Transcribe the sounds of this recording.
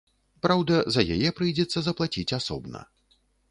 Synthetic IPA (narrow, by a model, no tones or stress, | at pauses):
pɾawd̪ɐzɐja̰jɛpɾɨjd͡zʲɛt̪sːɐzɐplˠat͡sʲit͡sʲasɔ̰bnɐ̰